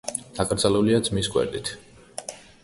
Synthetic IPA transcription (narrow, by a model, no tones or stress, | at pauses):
d̪̥akʼɾd̪zaluliad̪zmisɡʼwɛ̰ɾd̪it̪ʰ